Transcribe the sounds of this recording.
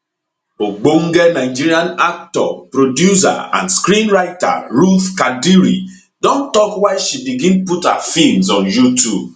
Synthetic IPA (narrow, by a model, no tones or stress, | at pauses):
oɡ͡boŋ̩ɡenaɪd͡ʒiɾiãnak̚tɔ̰pɾodjusa̰ã̰nskɾĩnɹaɪta̰ɾufkadiɾḭ | dõntɔkwaɪʃibiɡĩnputha̰fimzɔ̃njutub